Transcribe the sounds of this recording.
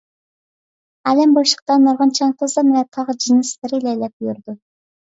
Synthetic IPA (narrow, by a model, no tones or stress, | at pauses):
ɛlɛmboʃə̥q̚t̪ɑnːoɾʁɑnt͡ʃʰɑŋq̪ʰəzɑmɛnɛt̪ʰɑʁd͡ʒinɨslɪɾɪlɛjlɛp̚jyɾd̪u